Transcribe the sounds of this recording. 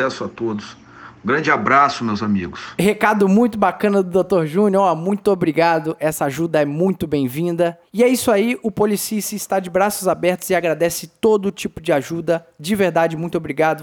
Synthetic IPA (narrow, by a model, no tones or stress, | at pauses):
ɛsʊat̪od̪ʊs | ũɡɾɐ̃nd͡ʒɪabɾasʊmewzamḭɡʊshekad̪ʊmũj̃t̪ʊbakɐ̃nɐd̪ʊd̪ot̪oɾʒũnɔamũj̃t̪ʊobɾiɡad̪ʊʔɛsɐaʒud̪ɐɛmũj̃t̪ʊbẽj̃vĩnd̪ɐ | ɪɛisʊaiʔʊpolisisɪːst̪ad͡ʒɪbɾasʊzabɛɾt̪ʊzɪaɡɾad̪ɛsɪt̪od̪ʊt͡ʃipʊd͡ʒɪaʒud̪ɐd͡ʒɪveɾd̪ad͡ʒɪmũj̃t̪obɾiɡad̪ʊ